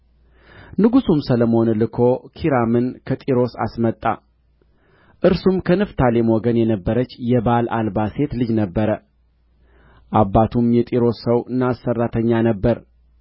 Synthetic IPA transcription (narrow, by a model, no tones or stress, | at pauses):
nɨɡusumsəlomo̞nlɨkʰo̞kʰiɾamɨnkʰət̪ʼiɾo̞sa̰smət̪ʼːa̰ | ʔɨɾsumkʰənɨft̪ʰalemwoɡənjɛnəbːəɾət͡ʃːjɛbalʔalbase̞t̪lɨd͡ʒnəbːəɾə | ʔabːat̪ʰumjɛt̪ʼiɾo̞sːəwɨnːasːərːat̪ʰəɲːanəbːəɾ